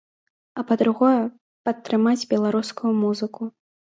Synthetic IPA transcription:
ɐpɐd̪ɾuɣɔjɛ | pɐt̪ːɾɨmad͡zʲbʲɛlˠaɾuskujumuzɨku

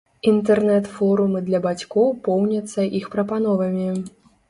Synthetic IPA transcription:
int̪ɛrnɛt̪fɔɾumɨd̪lʲɐbat͡sʲkɔwpɔwnʲɐt̪sːɐʔixpɾɐpan̪ɔvɐmʲi

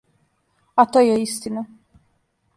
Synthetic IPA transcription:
at̪oːjɛist̪ina

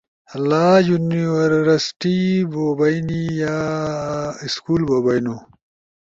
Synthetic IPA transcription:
ɐlːaːjuniwɐɾɾɐsʈibobɐjnijaː | iskuːlbobɐjnu

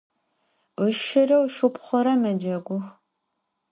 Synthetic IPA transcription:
əʃɪrɐwʃʊpχʷɔɾɐmɐd͡ʒɐɡʷʊx

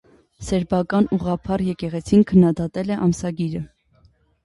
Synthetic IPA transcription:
sɛɾbɑkɑnuʁɑpʰɑɾjɛkɛʁɛt͡sʰinkʰənːɑd̪ɑt̪ɛlɛʔɑmsɑɡiɾə

